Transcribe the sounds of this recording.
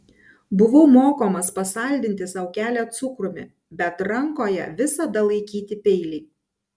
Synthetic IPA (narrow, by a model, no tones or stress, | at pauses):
bʊʋomoːkoːmɐspɐsɐˑlʲd̪ʲɪnʲt̪ʲɪsɐʊkʲæːlʲɛt̪sʊkɾʊmʲɪ̰ | bʲɛt̪ɾɐŋkoːjɛ̰ʋʲɪsɐd̪ɐlˠɐɪkʲiːt̪ʲɪpʲɛɪlʲɪɪ